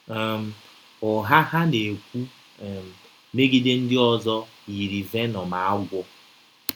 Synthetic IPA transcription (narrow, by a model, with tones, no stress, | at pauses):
m̩˨ | ʊ˨ɦa˦ɦa˦ne˨kʷu˦˨ | me˦ɡi˦de˦n̩˦dɪ˦ɔ˦zɔ˦ | i˨ɾi˨ve˦nɔ˨ma˨a˦ɡʷɔ˦